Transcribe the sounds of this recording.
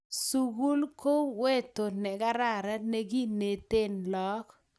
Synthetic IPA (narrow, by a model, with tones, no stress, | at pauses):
su˨ɡu˦lko˦we˦to˨nɛ˨ɡa˦ɾa˦˨ɾa˦ne˦ɡi˦ne˨t̪e˦nlɔ˦k